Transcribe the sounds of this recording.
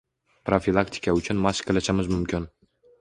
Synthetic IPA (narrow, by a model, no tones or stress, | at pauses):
pɾofilˠakt̪ʰɪ̥kʰaʊt͡ʃʰʊnmaskʲkʰʲelaʃamɪzmʊmkʲʰɪn